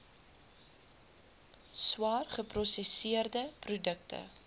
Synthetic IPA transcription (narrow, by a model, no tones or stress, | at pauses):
swɑːrχəprɔsesiərdəprudək̚tʰə̰